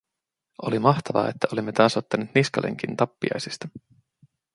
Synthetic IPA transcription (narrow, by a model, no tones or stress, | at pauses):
o̞limɑht̪ɑʋɑ̰et̪ːæʔo̞limːe̞t̪ɑːso̞t̪ːɑneːt̪niskɑlʔḛŋk̟int̪ɑpːiɑ̰jsist̪ɑ̥